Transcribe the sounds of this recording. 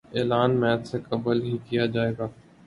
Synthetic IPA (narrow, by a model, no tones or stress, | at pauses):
eːlaːnmɛːt̪sekəbəlɦikijad͡ʒaːeːɡaː